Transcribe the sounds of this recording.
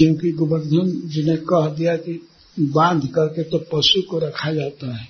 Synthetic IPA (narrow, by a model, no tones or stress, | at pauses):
kjõːkiɡʊbənd̪ʱənd͡ʒɪnɦẽkɐɦd̪ijaki | bãːnd̪ʱkɐɾket̪opɐʃukoɾɐkʰad͡ʒaːt̪aɦɛː